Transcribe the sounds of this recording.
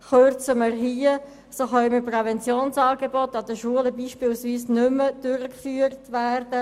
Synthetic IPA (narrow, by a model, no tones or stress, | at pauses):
χøɾt͡səmərɦiːə | soχœʏməprɛvɛnt͡sjoːnsɑːɡebɔtːɑd̪əʃuələbiːʃpɪːlsviːsnʏməd̥ʊɾəkfyːəɾtʋæːrd̥ə